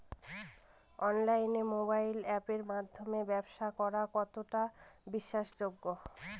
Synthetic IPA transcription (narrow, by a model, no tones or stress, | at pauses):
ɔnlajnemobajlɛpeɾmad̪ʱːomebɛbʃakɔɾakɔt̪oʈabiʃːaʃd͡ʑoɡːo